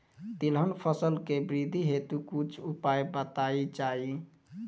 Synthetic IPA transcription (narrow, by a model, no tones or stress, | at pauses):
t̪ilɦənpʰəsəlkebɾid̪ʱiɦet̪ukut͡ʃʰupajbət̪aid͡ʒai